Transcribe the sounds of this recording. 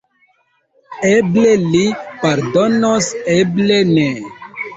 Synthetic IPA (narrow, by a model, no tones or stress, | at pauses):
eblelipaɾdonoseblene